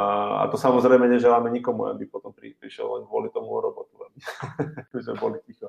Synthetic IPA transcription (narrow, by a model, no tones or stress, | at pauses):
a̰t̪ɔsamɔzɾɛjmɛɲɛʒɛlaːmɛɲikɔmua̰bipɔt̪ɔmpɾḭpɾiʃɛ̰llɛɲɡʋʊɔlit̪ɔmuɔɾɔbɔt̪uabikbizmɛbɔlicixɔ